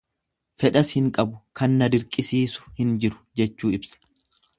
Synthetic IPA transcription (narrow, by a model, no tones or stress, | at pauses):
fɛᶑɐshɪŋkʼɐbʊkɐnːɐdɪɾkʼɪsiːsʊ̥hɪnd͡ʒɪɾʊ̥d͡ʒɛt͡ʃːuːɪbsɐ̥